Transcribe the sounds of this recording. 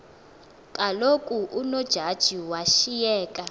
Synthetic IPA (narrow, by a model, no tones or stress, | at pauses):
kʼalokʼuʔunɔd̥ʒ̥ʱad̥ʒ̥ʱiwaʃijɛːkʼa